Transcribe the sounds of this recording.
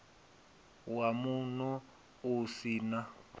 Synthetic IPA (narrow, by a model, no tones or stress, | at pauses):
wamunɔ | usiːna